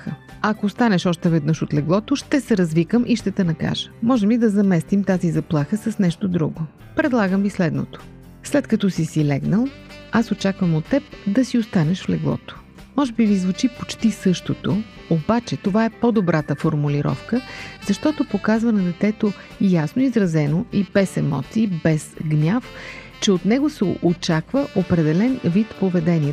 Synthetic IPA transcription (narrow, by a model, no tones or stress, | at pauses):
xə | ɐkost̪anɛʃɔʃt̪ɛvɛd̪nɤʃot̪lɛɡlˠɔt̪oʃt̪ɛsɛɾɐzvikəmʔiʃt̪ɛt̪ɛnɐka̰ʒə̥mɔʒɛmlid̪ɐzɐmɛst̪imt̪azizɐplˠaxəsɐsnɛʃt̪od̪ɾuɡo | pɾɛd̪lˠaɡəmvislɛd̪no̰t̪o̥ | slɛt̪kɐt̪ɔsisilɛɡnəlˠ | asot͡ʃakvəmot̪ːɛp̚d̪ɐsiost̪anɛʃflɛɡlˠɔ̰t̪o̥ | mɔʒɛbivizvut͡ʃipot͡ʃt̪isɤʃt̪ot̪o | obat͡ʃɛt̪ovaɛpod̪obɾat̪əfoɾmuliɾɔ̰fkəzɐʃt̪ɔt̪opokazvɐnɐd̪ɛt̪ɛt̪o | jasnoizɾɐzɛnoibɛsɛmɔ̰t̪siːbɛzɡnʲaf | t͡ʃɛot̪nɛɡosɛ̰ʔot͡ʃakvəʔopɾɛd̪ɛlɛnvit̪povɛd̪ɛniɛ